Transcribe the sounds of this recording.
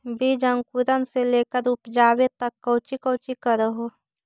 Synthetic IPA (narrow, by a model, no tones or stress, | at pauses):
bʱid͡ʒəŋkuɾənseleːkəɾʊpd͡ʒaːwet̪əkːəːt͡ʃikəːt͡ʃikəɾəɦo